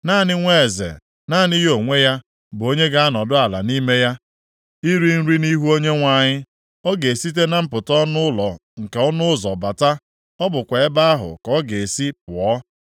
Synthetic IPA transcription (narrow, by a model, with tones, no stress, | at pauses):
naː˦˨nɪ˦ŋʷe˦˨zḛ˨ | na˦˨nɪ˦ɦo˨ŋʷe˦ja˦ | bʊ˨o˦ɲe˦ɡa˦a˦nɔ˨dʊ˦a˨la̰˨ni˦me˦ja˦ | i˦ɾi˦n̩˦ɾi˦ni˦ɦu˦o˦ɲe˦ŋʷa˨ɲɪ˦ | ɔ˦ɡe˨si˦t̬e˦na˨m̩˦pʊ˨tɔ˦nʊ˦lɔ˨ŋ̩˨ke˨ɔ˦nʊ˦ʊ˦zɔ˨ba˨ta˦ | ɔ˦bʊ˨kʷe˨e˦ba˦a˦ɦʊ̰˨kɔ˦ɡe˨e˨si˦pʊ˨ɔ˦